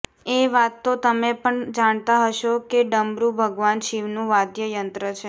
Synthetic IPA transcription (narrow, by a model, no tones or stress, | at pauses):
eʋat̪ːot̪əmepəɳd͡ʒaɳ̃t̪aɦəʃokeɖəmbɾubʱəɡʋanʃiʋnũʋad̪jəjənt̪ɾət͡ʃʰe